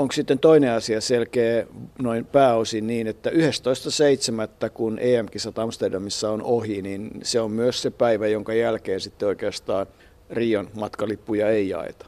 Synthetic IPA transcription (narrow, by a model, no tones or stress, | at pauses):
oŋksit̪ːent̪oineɑsiɑselkeːnoimpæːosinniːnet̪ːæyhest̪oist̪ɑseit̪semæt̪ːækunʔeːæmkisæt̪ɑmst̪erdɑmisːɑonohininseommyøssepæiʋæjoŋkɑjælkeːnsit̪ːeoikeɑst̪ɑːn | riːonmɑt̪kɑlipːujɑeijɑ̰ḛt̪ɑ̥